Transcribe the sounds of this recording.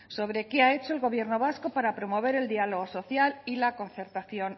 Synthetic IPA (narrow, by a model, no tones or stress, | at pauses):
so̞βɾe̞keae̞t͡ʃo̞elɣo̞β̞je̞ɾno̞β̞asko̞paɾapɾo̞mo̞β̞e̞ɾe̞ld̪ialo̞ɣ̞o̞so̞θjalilako̞nθe̞ɾt̪aθjo̞n